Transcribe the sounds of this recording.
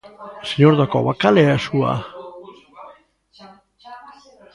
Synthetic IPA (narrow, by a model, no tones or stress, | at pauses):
seɲoɾðakoa̰βakaleasua̰